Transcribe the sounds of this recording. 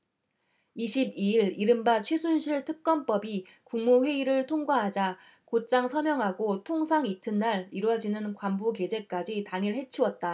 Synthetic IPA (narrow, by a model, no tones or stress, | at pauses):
iɕʰibiiɭiɾɯmbat͡ɕʰwe̞sʰunɕʰiɭtʰɯk̚k͈ʌnp͈ʌbi | kuŋmuɸwe̞iɾɯɭtʰoŋɡwaɦad͡ʑa | kot͡ɕ͈aŋsʰʌmjʌŋɦaɡotʰoŋsʰaŋitʰɯnːaɾiɾwʌd͡ʑinɯnkwambuke̞d͡ʑe̞k͈ad͡ʑitaŋiɭɦe̞t͡ɕʰiwʌt̚t͈a